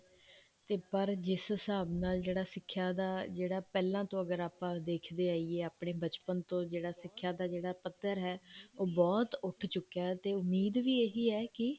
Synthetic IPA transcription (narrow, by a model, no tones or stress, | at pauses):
t̪eːpəɾd͡ʒɪsəsaːbnaːld͡ʒeːɽaːsɪkʰːjaːd̪aːd͡ʒeːɽaːpɛːlãːt̪õːəɡəɾaːpãːd̪eːkʰd̪eːaːiːeːaːpɳeːbət͡ʃpənt̪õːd͡ʒeːɽaːsɪkʰːjaːd̪aːd͡ʒeːɽaːpət̪ːəɾɦɛːoːbɔːt̪ʊʈʰt͡ʃʊkːaːt̪eːʊmːiːd̪ʋiːeːɦiːɛːkɪ